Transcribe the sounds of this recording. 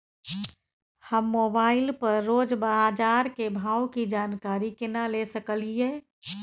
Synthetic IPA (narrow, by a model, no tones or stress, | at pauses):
həmːobaɪlpəɾːoːd͡ʒbad͡ʒaːɾkebʱawkid͡ʒaːnkaɾikɪnalesəkəlie